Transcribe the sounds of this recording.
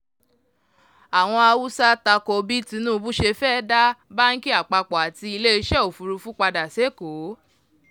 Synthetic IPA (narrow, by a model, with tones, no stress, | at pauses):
a˨w̃ɔ̃˧a˧wu˦sa˦ta˧kɔ˧bi˦ti˧˦nũː˦˨˧bu˦ʃe˧fɛː˦˨da˦ba˦ŋ̩˦ki˦a˦˨k͡pa˧k͡pɔ˨a˨ti˧i˧le˦i˧˦ʃɛ˦o˨fu˧ɾu˧fũ˦k͡pa˧da˨se˨˦˨ko˨˦